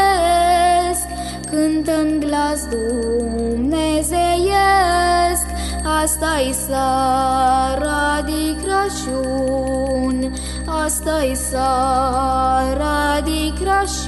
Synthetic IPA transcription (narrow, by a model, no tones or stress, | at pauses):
sk | kɨnt̪ənɡlasd̪u | mnezejə | sk̪ | ast̪ajsa | ɾad̪ikɾaʃu | n | ast̪ajsa | ɾad̪ikɾaʃ